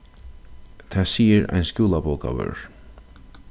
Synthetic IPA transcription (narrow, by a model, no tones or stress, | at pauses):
t̪ʰasiːɪɾa̰jnscjuːlapowka̰ʋœ̰ɹ